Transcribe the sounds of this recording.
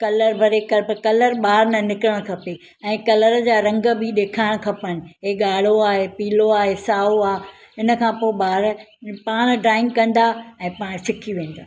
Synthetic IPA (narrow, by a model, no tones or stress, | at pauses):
kɐləɾbʱɐɾekɐɾpkɐləɾɓaːɾnɐnɪkɾəɽ̃kʰɐpe | ɛ̃ːkɐləɾd͡ʑaːɾɐ̃ŋɡə̆bɪɗeːkʰaːɪɽ̃kʰɐpəɽ̃ɪ̆ɦeːɠaːɽ̤oaːɦepiːloaːɦesaːoaː | ɪnə̆kʰãːpoːɪɓaːɾpaːɽ̃ɖɾaːɪ̃ŋɡkɐ̃nd̪aɛ̃ːpaːɽ̃sɪkʰiʋẽːn̆d̪aː